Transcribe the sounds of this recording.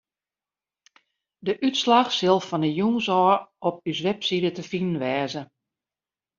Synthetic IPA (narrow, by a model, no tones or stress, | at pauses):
dəʔytslaxsɪlˠfɔnəjuːŋsɔːɔp̚ysʋɛpsidətəfinənʋɛːzə